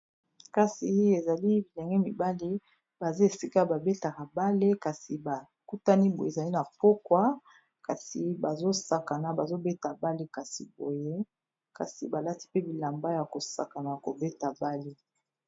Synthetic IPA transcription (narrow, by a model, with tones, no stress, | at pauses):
ka˨si˨e˨za˨li˦bi˨lɛ˨ŋɡɛ˦mi˨ba˦li˦ | ba˨zi˦e˨si˦ka˦ba˨be˦ta˨ka˨ba˦le˦ka˨si˨ba˨ | ku˦ta˦ni˦bo˨je˨za˨li˦na˨po˦kwa˦ | ka˨si˨ba˨zo˦sa˨ka˨na˨ba˨zo˦be˦ta˨ba˦le˦ka˨sḭ˨bo˨je˦ | ka̰˨sḭ˨ba˨la˦ti̥˦pe˦bi˨la˨mba˦ja˨ko˨sa̰˨ka˨na˨ja˨ko˨be˦ta˨ba˦le˦